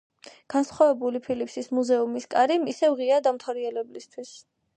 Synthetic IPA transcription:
ɡ̥ansχwavɛbulipʰilipʰsismuzɛumiskʼaɾimisɛvʁiad̪amt̪ʰaɾiɛlɛblist̪ʰwis

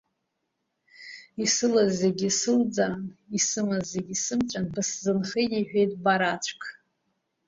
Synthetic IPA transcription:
isɨlazːeɡʲisɨld͡zanisɨmazːeɡʲisɨmt͡ʃʷʼanbɨszɨnχetʼiħʷᶣe̞jtʼbaɾat͡ʃʷʰkʰʼ

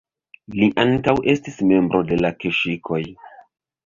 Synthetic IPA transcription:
liʔaŋkawʔe̞stisme̞mbɾʔo̞de̞lakeʃikʰo̞j

